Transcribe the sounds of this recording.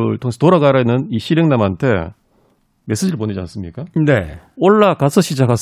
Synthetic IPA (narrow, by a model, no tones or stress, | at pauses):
ɯɭtʰoŋeetoɾaɡaɾainːɯniɕʰiɾeŋnamantʰe̞̰ | me̞s͈ed͡ʑiɾɯɭpoɲed͡ʑia̰ns͈ɯmɲik͈aneoɭːakasʰʌɕ͈ʰid͡ʑakas